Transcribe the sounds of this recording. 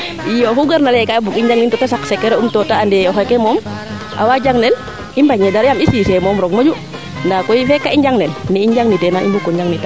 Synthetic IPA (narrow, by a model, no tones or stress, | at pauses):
ijoɦuɡaɾnalɛkabukiɲd͡ʒaŋnintɔtasaksɛkːɛɾaumtɔtaːndɛɔxɔkɛmɔm | ʔa̰wad͡ʒaŋnɛn | imbaɲɛdaɾjamisiːsɛmɔmɾɔkmod͡ʒu | ndakɔifɛkːaiɲd͡ʒaŋnɛnnːɛiɲd͡ʒaŋnitɛnaḭmbukːɔɲd͡ʒaŋnita